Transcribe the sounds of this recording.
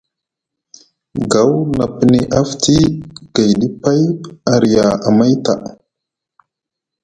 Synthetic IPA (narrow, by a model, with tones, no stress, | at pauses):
ɡa˨wna˨pə˦ni˦ʔa˦ftʰi˦ɡ̥a˨jɗi˦pa˦ja˨ɾi˨ja˨a˨ma˦jta̰˨